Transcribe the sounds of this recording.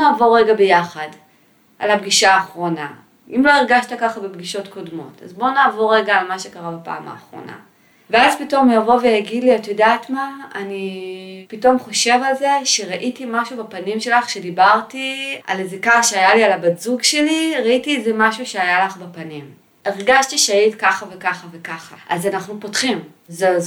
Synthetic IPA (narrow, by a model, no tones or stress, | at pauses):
naːvoʁeɡabejaχad | ʔa̰labɡiʃaːχʁo̞na̰ | imlo̞iʁɡaʃtakaχabebɡiʃo̞tko̞dmo̞̰ta̰zbo̞naːvoʁeɡaːlmaʃekaʁabapa̰ːma̰ːχʁo̞̰na̰ | veazpito̞mjavo̞vejaɡidliatjodaːtmaanipito̞mχo̞ʃe̞valze̞ʃeʁaʔitimaʃubapanimʃe̞laχʃe̞dibaʁtia̰lezekaχʃeajalialabadzuɡʃe̞liʁaitietzemaʃuʃeajalaχbapanim | eʁɡaʃtiʃeajitkaχavekaχavekaχaazanaχnupo̞tχim | ze